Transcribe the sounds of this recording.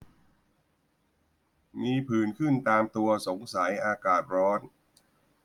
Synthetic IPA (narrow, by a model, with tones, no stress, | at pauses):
miː˧pʰɯː˨˩nkʰɯ˥˩nt̪aː˧mt̪u˧ɐso˩˦ŋsa˩˦jʔaː˧kaː˨˩t̪̚ɾɔː˦˥n